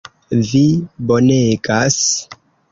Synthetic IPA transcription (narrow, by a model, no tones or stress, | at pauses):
vibo̞neɡas